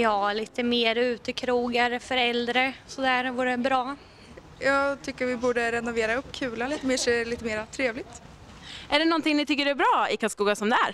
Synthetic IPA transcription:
jɑːliːt̪əmeːɾʉ̟ːt̪əkʰɾuːɡaɾəfœɾɛld̪ɾəsɔd̪æːɾvuːɾəbɾɑː | jɑːɡt̪ʰʏkːəɾvɪbuːɖəɾɛnʊveːɾaɵpːkʰʉːlaiːt̪əmeːʂɛliːt̪əmeːɾat̪ʰɾeːvlɪɡ̚t̪ | æɖɛnɔnt̪ɪŋnɪt̪ʰʏkːəɖɛæbɾɑːɪkʰaskuːɡasɔmd̪ɛæːɾ

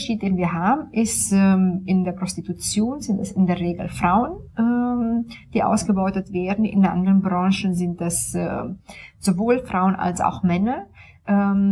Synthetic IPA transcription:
ʃiːt̚d̥eːnviːɐɦaːbm̩ʔɪstɛmɪndeːɐpʁ̥ɔstitut͡sjoːnzɪntɛsɪndeːɐʁeːɡl̩fʁ̥aʊənʔɛːmd̥iːʔa̰ʊsɡ̥əbɔʏtətv̥eːɐdn̩ʔɪ̰ndʔa̰ndəʁənbʁɑ̃ŋʃənzɪnt̚d̥ɛsɛ̰ːz̥ovoːlfʁ̥aʊənʔa̰lsa̰ʊxmɛnɐ | ʔɛː

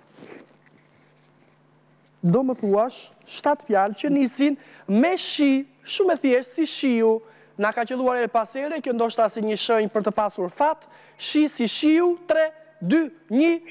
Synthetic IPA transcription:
d̪ɔməθuaʃ | ʃt̪at̪fjalcənisinmɛʃi | ʃumɛθjɛʃsiʃiu | nakat͡ɕəlˠuaɾɛɾpasɛɾɛkɔnd̪ɔʃt̪asɛɲəʃəɲpəɾt̪əpasuɾfat̪ | ʃisiʃiut̪ɾɛ | d̪yɲə

